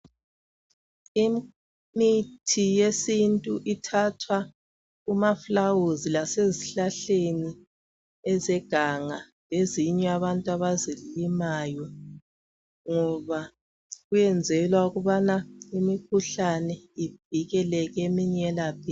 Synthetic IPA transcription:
i | mitʰijesintʼuʔitʰatʰwa | umaflawuzilaseziɬaɬeni | ɛzɛɡ̥ʱaŋa | leziɲɛaβantʼwaβazilimajɔ | ŋɔβa | ɣujɛnd͡zʱɛlwauɣuβanaimikʰuɬanɛib̥ʱiɣɛlɛɣemiɲɛlapʰi

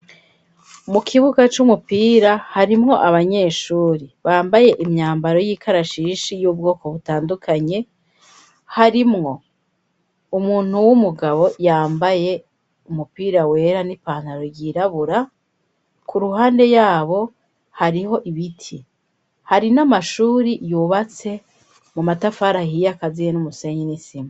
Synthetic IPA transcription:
mukʰiβuɡat͡ʃumupiːɾahaɾimŋo̞ʔaβaɲe̞ːʃuːɾiβaːmbaje̞ʔimɲaːmbaɾo̞jiːkʰaɾaʃiʃijuːb̚ɡo̞ːko̞βutaːndukʰaɲe̞ | haɾimŋo̞ | umuːn̥huwumuɡaβo̞jaːmbaje̞ | umupiːɾawe̞ːɾanipaːn̥aɾoɾɟiːɾaβuɾa | kʰuɾuɦaːnde̞jaːβo̞ | haɾiho̞ʔiβitʰi | haɾinamaʃuːɾijuːβat͡se̞ | mumatafaɾahijakazijenumuse̞ːɲinisima

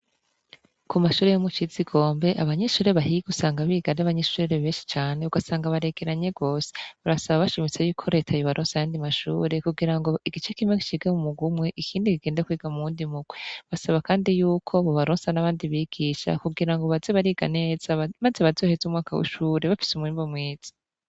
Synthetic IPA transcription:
kumaʃuːɾe̞jomut͡ʃiziɡo̞ːmbe̞ʔaβaɲeʃuːɾe̞βaɦiɡusaːŋɡaβiːɡanaβaɲeʃuːɾeɾeβe̞ːnʃi̥t͡ʃaːneuɡasaːŋɡaβaɾe̞ɡe̞ɾaɲe̞ɡo̞ːse̥βaɾasaβaβaʃimit͡sejuːkʰo̞ɾe̞ːtʰajoβaɾʔoːnsajaːndimaʃṵːɾe̞kuɡiɾaŋɡo̞iɡit͡ʃekimeki̥t͡ʃiɡemumuɡumŋe̞ʔikʰiːndikiɡ̥eːndakwiːɡamuːndimuɡ̥weβasaβakaːndijuːkʰo̞βoβaɾoːnsanaβaːndiβiɡ̥iʃa̰kuɡiɾaŋɡo̞βaz̥eβaɾiɡa̰neːz̥amaze̞βazo̞ːhezumŋaːkʰa̰wṵʃuːɾe̞βafi̥sumwiːmbomweːz̥i̥

